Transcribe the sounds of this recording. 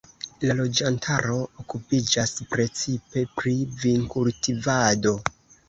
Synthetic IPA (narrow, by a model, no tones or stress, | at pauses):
lalo̞d͡ʒantʰaɾo̞okupid͡ʒaspɾe̞t͡sipe̞pɾiviŋkultivado̞